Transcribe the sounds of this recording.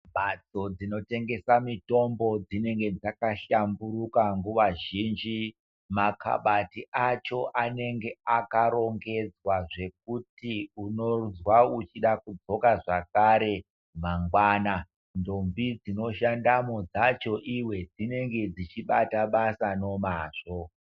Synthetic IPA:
ɓat͡so̞d͡zino̞te̞ŋɡe̞samito̞mbo̞d͡zine̞ŋɡe̞d͡zakaʃambuɾukaŋɡuʋaʒiːnd͡ʒi | makʰa̰ɓatiʔat͡ʃo̞ʔane̞ŋɡe̞akaɾo̞ŋɡe̞d͡zwaʐe̞k̚utiuno̞uzwaut͡ʃiɗakud͡zo̞kaʐakaɾe̞ | maŋɡwaːna | ndombid͡zino̞ʃandamod͡zat͡ʃo̞ʔiwe̞d͡zine̞ŋɡe̞d͡zit͡ʃiɓataɓasano̞maːʐo̞

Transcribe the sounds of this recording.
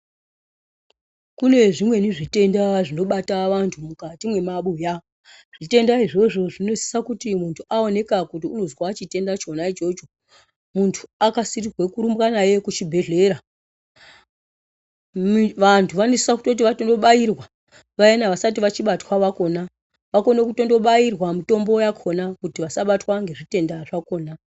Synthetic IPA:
kune̞ʐimwe̞niʐite̞ndaʐino̞ɓataʋantʰumukatimwe̞maɓuja | ʐ̥ite̞ndaiʐe̞ʐo̞ʐinose̥sakutimuntʰuʔao̞ne̞kakut̬iuno̞zwaːt͡ʃite̞ndat͡ʃo̞nait͡ʃo̞t͡ʃo | muntʰu̥akasirirwe̞kuɾumbwanaje̞kut͡ʃibʱe̞ɮe̞ɾa | ʋantʰuʋanesisaku̥to̞t̬iʋato̞ndo̞ɓairwa | ʋajenaʋasat̬iʋat͡ʃiɓatwaʋako̞na | ʋako̞nekuto̞ndo̞ɓairwamito̞mbo̞jakʰo̞nakutiʋasaɓatwaŋɡe̞ʐite̞ndaʐako̞ːna

